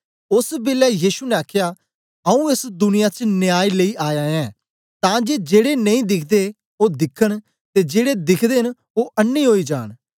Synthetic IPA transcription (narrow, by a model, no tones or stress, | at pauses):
ʊsbɪlɛːjiːʃunɛ̃aːkʰɪjaː | əũːɪsd̪ʊnɪjat͡ʃnɪjaːiːləiːʔaːjãːɛ̃ː | t̪ãːd͡ʒeːd͡ʒeːɽeːnəĩːd̪ɪkʰd̪eː | oːd̪ɪkʰːəɽ | t̪eːd͡ʒeːɽeːd̪ɪkʰd̪eːɦɪn | oːʔənːiːɦoːiːd͡ʒa̰ːɳ̃